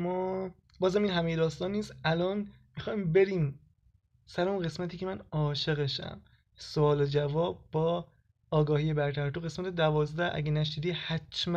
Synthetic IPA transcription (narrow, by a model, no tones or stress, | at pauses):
mɒː | bɒːzæmiːnɦæmejed̪ɒːst̪ɒːnːiːsʔælɒːn | mixɒːjmbe̞ɾiːm | sæɾeonɣe̞smæt̪ʰiːcʰe̞mænɒːʃe̞ɣeʃæ̰m | soɒːled͡ʒævɒːb̚ːɒː | ɡɒːhiːje̞bæɾt̪ʰæɾt̪oɣe̞smæt̪ʰed̪ævɒːzd̪ææ̰ɟenæʃ̬id̪iːhæt͡ʃmæ